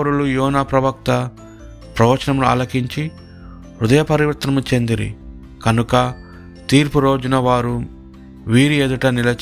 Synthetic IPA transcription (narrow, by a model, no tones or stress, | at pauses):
ɾulujɔːnaːpɾɐʋɐk̚t̪ɐ | pɾɐʋɐt͡ʃɐnɐmunua̰ːlɐkiɲt͡ʃi | ɾud̪ɐjɐpɐɾiʋɐɾt̪nɐmut͡ʃe̞nd̪iɾḭ | kɐnukɐ | t̪iːɾpuɾo̞ːd͡ʒunɐʋaːɾu | ʋiːɾieːd̪uʈɐnilɐ